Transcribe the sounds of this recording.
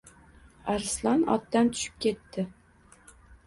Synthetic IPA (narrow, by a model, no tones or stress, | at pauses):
aɾslanɒ̰t̪ːant̪ʰʊ̥ʃɪ̥p̚kʲʰe̞t̪ːɪ